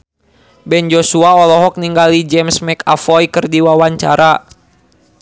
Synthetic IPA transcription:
bɛnd͡ʒɔsuaɔlɔɦɔk̚niŋɡalid͡ʒɛmsmɛka̰fɔjkɨrdiwawaɲt͡ʃa̰ɾa

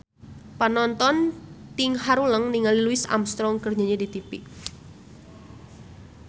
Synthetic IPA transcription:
panɔnt̪ɔnt̪iŋhaɾuləŋniŋaliluɪsa̰mst̪ɾɔŋkərɲaɲedit̪ipiʔ

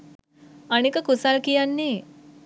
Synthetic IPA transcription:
ənekəkusalkijanːeː

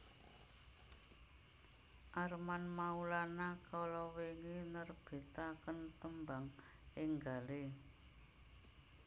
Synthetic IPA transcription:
ʔarmanmaulanakalɔweŋinərb̥e̤t̪akənt̪əmbaŋ | ʔɪŋɡale

